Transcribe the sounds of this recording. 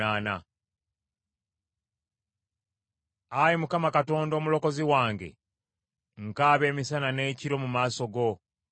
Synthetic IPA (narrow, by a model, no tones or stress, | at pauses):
aːna̰ | ajimukamakato̞ːndo̞ːmulo̞ko̞ziwaːŋɡe̞̰ | ŋkaːβe̞ːmisanane̞ːciɾo̞mumaːso̞ɡo̞